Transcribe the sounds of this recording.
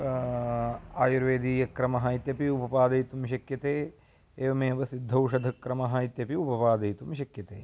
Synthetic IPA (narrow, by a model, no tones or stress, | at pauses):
aːjuɾʋeːd̪iːjɐkɾɐmɐɦɐit̪jɐpiupɐpaːd̪ɐjt̪umʃ̬ɐkjɐt̪eː | eːʋɐmeːʋɐsid̪ʱːɐwʂɐd̪ʱɐkɾɐmɐɦɐit̪jɐpiupɐpaːd̪ɐjt̪umʃɐkjɐt̪ḛː